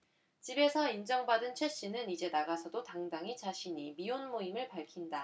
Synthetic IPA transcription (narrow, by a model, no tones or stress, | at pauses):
t͡ɕibe̞sʰʌind͡ʑʌŋbadɯnt͡ɕʰwe̞ɕ͈inɯnid͡ʑe̞naɡasʰʌdotaŋdaŋit͡ɕaɕʰiɲimionmoimɯɭpaɭkʰinda